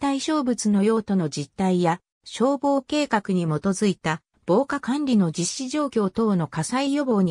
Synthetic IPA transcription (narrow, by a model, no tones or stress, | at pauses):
t̪aiɕo̞ːbɯ̟t͡sɨno̞jo̞ːt̪o̞no̞d͡ʑit̪ːaija | ɕo̞ːbo̞ːke̞ːkakɯ̟ɲ̟imo̞t̪o̞zɨit̪a | b̥o̞ːkakãnɾʲino̞d͡ʑiɕːiʑo̞ːkʲo̞ːt̪o̞ːno̞kasaijo̞bo̞ːɲ̟i